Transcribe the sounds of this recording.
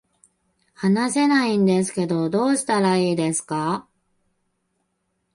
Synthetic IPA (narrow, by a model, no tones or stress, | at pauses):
hanase̞naĩnd̪e̞s̬ɨ̥ke̞d̪o̞d̪o̞ːɕi̥t̪aɾaiːd̪e̞sɨ̥ka